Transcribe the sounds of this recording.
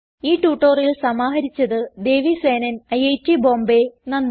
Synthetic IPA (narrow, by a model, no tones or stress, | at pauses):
iːʈuːʈːoːrilsɐmaːɦɐɾit͡ɕːɐðɨd̪e̞ːʋisʋeːnɐnɐjejtːibo̞ːmbenɐnː